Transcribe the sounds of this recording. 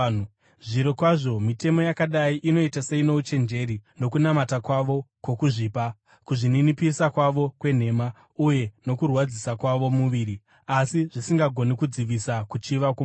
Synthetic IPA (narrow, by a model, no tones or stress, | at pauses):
ʐiɾo̞kwaʐo̞mite̞mo̞jakaɗaiʔino̞itase̞ino̞ut͡ʃe̞nd͡ʒe̞ɾino̞kunamatakwaʋo̞kwo̞kuʐiːpa | kuʐininipisakwaʋo̞kwe̞n̤e̞ma | uje̞no̞kurwad͡zisakwaʋo̞muʋiːɾi | asiʐisiŋɡaɡʱo̞nikud͡ziʋisakut͡ʃiʋakwo